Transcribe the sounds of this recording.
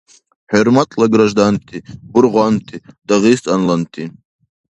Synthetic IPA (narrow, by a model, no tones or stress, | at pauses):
ħermatʼʰlaɡɾaʒdantʰibʊɾʁʷant̪ʰid̥aʁistʼanlantʰi